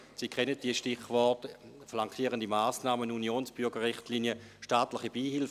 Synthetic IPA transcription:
sikʰχɛnət̚d̥iːəʃtɪχvɔɐtflaŋkʰiːʁəndimaːsnaːmənunjoːnsb̥ʏɐɡəʁɪχtliːnjəʃtaːtlɪχibiːɦɪlf

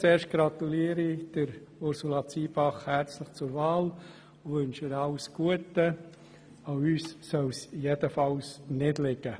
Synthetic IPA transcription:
t͡seːɾʃt̚ɡ̥ɾɑt̪uliəɾid̥əɾʊɾsulɑt͡siːbɑχhæɾt͡sləχt͡sʊɾvɑːl | ʊʋʏnʃəɾɑʊsɡ̥uətə | aʊyːsːœwsijed̥əfɑlsnɪdlɪɡə

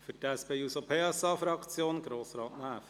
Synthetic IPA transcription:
fətæsbɛɪusopʰeːɛsɑːfɾɑkt͡sjoːnɡ̥ɾoːsɾɑːt̪næːf

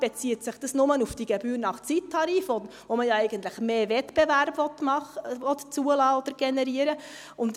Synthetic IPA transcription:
b̥ɛt͡sitsɪχd̥ɑsnʊmənufd̥iɡebyːɾnɑχt͡sitʰːɑɾiːfɔdəvoməjɑɛɪɡənt̪ləχmeːvɛtbevæɾbvɔt̪mɑχəʋɔtt͡suəlɑːɔd̥̪əɾɡ̥ɛnɛɾiəɾə | ʊnt

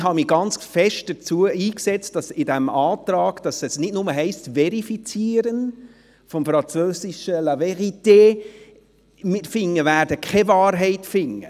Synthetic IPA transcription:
hɑmiɡ̥ɑnt͡sfɛʃt̚d̥ət͡suəiːksɛt͡st̚d̥ɑsɪdɛmɑːtɾɑːɡd̥ɑsɛsnɪdnʊməɦɛɪstvɛɾifit͡siəɾən | fɔmfɾɑnt͡søːsiʃəlɑvɛʁiteː | mɪfɪŋːəvæːɾdəkʰɛvɑːɾɦɛɪtfɪŋə̰

